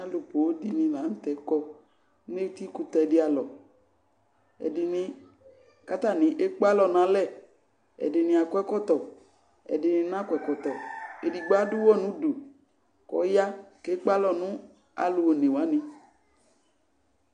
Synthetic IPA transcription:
a˦lo˨po˨wo˦di˦nĩ˨la˨˦ŋ̩˦t̪ɛ˨kɔ˦ | e˦t̪i˦ku˦t̪ɔ˨˦ɛ˨di˨˦a˨lɔ˨ | ɛ̰˨di˨nĩ˨ | ka˦t̪a˦˨nĩ˨ʔe˦k͡pa˦lɔ˨nã˨lɛ˦˨ | ɛ̰˨dɪ˨nĩ˨a˨kɔ˦ɛ˦kɔ˦t̪ɔ˨ | ɛ̰˨dɪ˨nĩ˨nã˦kɛ˨kɔ˨t̪ɔ˨e˨di˨ɡ͡ba˦du˦wɔ˦nũ˦du˨ | kɔ̰˨˦ja˦ke˦k͡pa˦lɔ˦nũ˦ | a̰˨lu˨wo˨nẽ˨wa˨˦nĩ˦

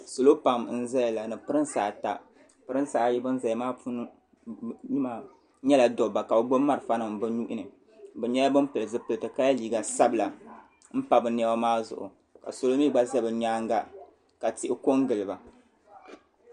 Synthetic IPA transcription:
so˨lo˦pa˨mn̩˦zɛ˦jla˨nɨ˨pɨ˦ɾɨ˦nsaː˨ta˨ | pɨ˦ɾɨ˦n˦saː˨˦˨jɛ˦bɨ˦n̩˦za˨jmaː˦pu˦n˦ | ɲi˦ma˨ | ɲɛ˦la˨do˨ba˨ka˨bo˨ɡ͡bo˦mːa˦ɾɨ˨fa˦nɨ˨mbɨ˦ɲu˦ʔɪ˦nɨ˨ | bɨ˨ɲɛ˦la˦bɨ˦mpɨ˨lɨ˨zɨ˦pɨ˨lɨ˨tɨ˨ka˦ja˦liː˨ɡa˨sa˦bɨ˨la˨ | m̩˦pa˨bɨ˨nɛ˦ba˦maː˦zʊ̰˨ʔʊ̰˨ | ka̰˨so˨lo˦mi˦ɡ͡ba˦zɛ˦bɨ˨ɲaː˦ŋɡa˦ | ka˨tɪ˦ʔɪ˦ko˦ŋɡɨ˨lɨ˨ba˨

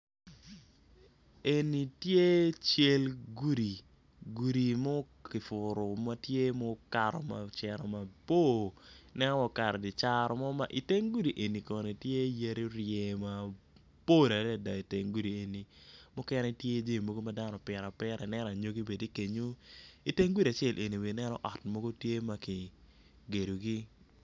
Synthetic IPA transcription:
e˨ni˨tje˦t͡ʃe˦lɡu˦ɾi˨ | ɡu˨ɾi˨mɔ˦ | kɪ˨fʊ˨ɾo˨ma˦tje˦mɔ˦ka˨ɾɔ̰˨ma˨t͡ʃɛ˨ɾɔ˨ma˨po˦˨nɛ˦wɔ˨ka˨ɾɔ˨di˨t͡ʃa˦ɾɔ˦mɔ˦ma˦ʔi˨te˦ŋɡu˦ɾi˨ʔe˨ni˨kɔ˨ne˨tje˦je˦ɾi˦ɾɪjɛ˨ma˨ | po˦˨la˨da˨da˨i˨te˨ŋɡu˦ɾi˨e˨ni˨mʊ˦kɛ˦ne˦tje˦d͡ʒe˦˨mo˦ɡo˦ma˦da˦nɔ˨pjɛ˨ɾa˨pɛ˦ɾa˨nɛ˦ɾa˨ɲo˦ɡi˦be˨di˦ke˨ɲo˦i˨te˦ŋɡu˦ɾi˨a˨t͡ʃɛ˦˨lʔe˨ni˨wi˨nɛ˦nɔ̰˦ʔɔ˨tmo˦ɡo˦tje˦ma˦ki˨ | ɡe˨do˨ɡi˦

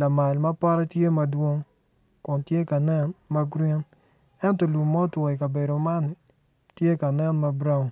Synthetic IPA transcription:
la˨ma˨lma˦pa˦ɾɛ˦tje˦mɐ˨dwo˦ŋ | kʊ˨ntje˦ka˨nɛ˦nma˦ɡɾi˦n | ɛ˦ntɔ˨lu˨mːɔ˦twɔ˨i˨ka˨be˨do˨ma˦ni˨ | tje˦ka˨nɛ˦nma˦bɾa˦˨ŋ

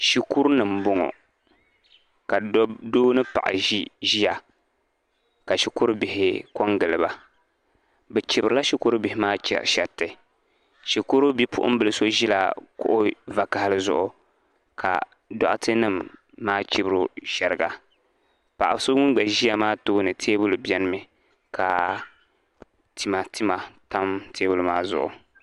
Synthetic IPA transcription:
ʃi˦ku˦ɾnɨ˨mbʊ˦ŋɔ̰˨ | ka˨doː˦nɨ˦pa̰˨ʔa̰˨ʒi˦ʒi˦ja˨ | ka˨ʃi˦kʊ˦ɾbɪ˨hɪ˨kɔ˦ŋɡɨ˨lɨ˨ba˨ | bɛ˨t͡ʃi˨bɨ˨ɾɨ˨˦la˦ʃi˦ku˦ɾbɪ˨hɪ˨˦maː˦t͡ʃʃɛ˨tːɨ˨ | ʃi˨ku˦ɾu˦bi˦pʊ̰˦ʔʊ̰˦m˦bɨ˨lɨ˦so˦ʒi˦la̰˨kʊ̰˦ʔʊ˦va˨ka˨ha˦lɨ˦zʊ˦ʔʊ˨ | kʰa̰˨ | dɔ̰˨ʔʊ˦tʰɨ˦nɨ˦mː | aː˦t͡ʃi˦bɨ˦ɾʊ˦ʃɛ˨ɾɨ˨ɡa˨ | pa˨ʔa˨bso˦ŋɪ˦ɡ͡bɛ˨ʒi˦ja˨maː˦toː˦nɨ˨tʰeː˦bʊ˦lbjɛ˦nɨ˦mɨ˨ | kʰa˨ | ti˨ma˨ti˦ma˨ta˦mtʰeː˦bʊ˦lʊ˨˦maː˦zʊ̰˨ʔʊ̰˨

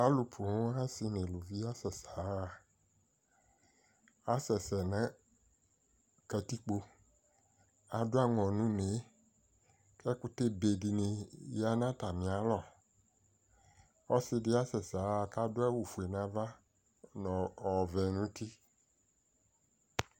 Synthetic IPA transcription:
a˦lu˨pʰu˨ŋ˦a˦si˦nẽ˨lu˨vi˦a˦sɛ˨sa˨ | a˦sɛ˨sɛ˨nɛ̃˦ | kɛ˨t̪i˦k͡po˦ | a˨do˦a˦ŋɔ̃˨nũ˦me˨˦ | kɛ˦ku˦t̪e˦be˨di˨nĩ˨ja˨nã˦t̪a˨mĩ˨a˨lɔ˨ | ɔ˦si˦dɪ˦a˦sɛ˨sa˨˦˨ka˦do˦ɛ˦wu˨fu˨e˨nã˨va˦ | nɔ̃˨ɔ˨vɛ˨nũ˦t̪i˦

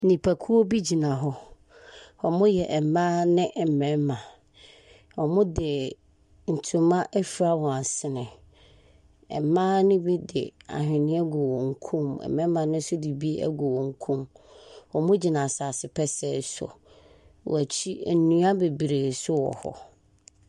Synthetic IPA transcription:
nĩ˨pʰa˨kʰu˦o˦bi˦d͡ʑi˨nã˨ɦɔ˦ | wɔ˨mʊ̃˦jɛ˨ʔɛ˨m˨mã˦nɪ̃˦ʔɛ˨m˨mɛ̃˨˦mã˨ | wɔ˨mʊ̃˦dɪ˨ | n̩˨tʰũ˨mã˦ʔɛ˦fi˨˦ɾa˦wɔ˨a˨sɪ˦nɪ̃˨ | ɛ̰˨mãː˦nɪ̃˦bi˦dɪ̰˨a̰˨ɦᶣɪ̃˨nɪ̃˦ɛ˦ɡo˨wɔ̃˨ŋ̩˨˦kʰũ˦mɛ̰˨mɛ̃˦mːã˨nɪ̃˦n̩˦sʊ˦di˨bi˦æ̰˦ɡo˨wɔ̃˨ŋ̩˦kʰũ˦m | ɔ˨mʊ̃˦d͡ʑi˨nã˨saː˨sɪ˨pʰɛ˦sɛ˦˨sɔ̰˨ | w̰æ˨t͡ɕʰi˦æ̰˨˦nũ˦a˦be˨bi˨ɾe˨sʊ˦wɔ̰˨hɔ̰˨

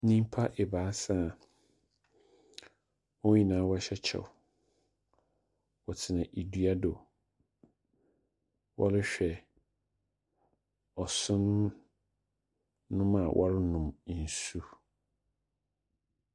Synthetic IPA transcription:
nĩ˦m˦pʰa˦ʔɛ˨baː˨˦sã˦˨ | wɔ˦ɲĩ˨nãː˨˦wɔ˦ɕɛ˦t͡ɕʰɛ̰˨w | wɔ˨tʰɪ˨nã˨ʔi˨du˦a˦do˨ | wʔɔ̰˦lɪ˦ɕᶣɛ˨ | ɔ˨sʊ̃˦n | ʊ̃˦mã˨wʔɔ̰˦ɾɪ˦nʊ̃˨m˨n̩˨su˦

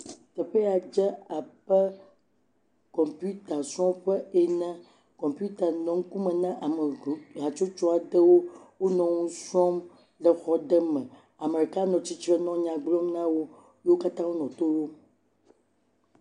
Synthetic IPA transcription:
t̪ɛ˨ɸe˦a˨d͡ʒɛ˦a˨ɸɛ˦ | kɔ̃˨mpu˦t̪a˨sɔ̃˦mɸɛ˦e˨nã˦ | kɔ̃˨mpu˦t̪a˨nɔ̃˨ŋ̩˦ku˦mɛ̃˨nã˦ʔa˨me˨ɦa˨t͡ʃo˦t͡ʃɔ˦a˨ɖə˦wo˦wo˦nɔ̃˨ŋũ˦sɔ˦m | ɖə˨xɔ˦ɖə˦mɛ̃˨ | a˨me˨ɾi˨ka˦nɔ̃˨t͡ɕi˦t͡ʃɾɛ˦nɔ̃˦ɲã˨ɡ͡blɔ˦mnã˦wo˦ | jwo˦ka˦t̪ã˦wo˦nɔ̃˨t̪o˦wo˦

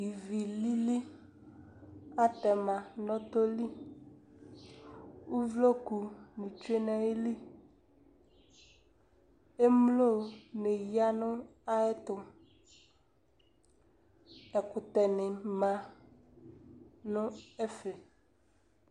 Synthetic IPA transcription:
ji˨vi˨li˦li˦ | a˦t̪ɛ˨mã˨nɔ̃˦t̪o˦li˦ | wu˦vlo˦ku˨nũ˨t͡ʃu˦e˦nɛ̃˦e˦li˦ | e˦mlo˦˨ne˨ji˦a˦nʊ̃˦ | a˦ɛ˦t̪o˨ | ɛ˨kʊ˨t̪ɛ˨nẽ˨mã˨ | nʊ̃˦ɛ˦fe˨

